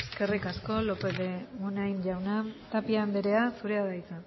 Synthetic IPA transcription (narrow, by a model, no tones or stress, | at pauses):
eske̞rikasko̞lo̞peðemunajnʝawnat̪apiaːnd̪eɾe̞asuɾeaðajt͡sa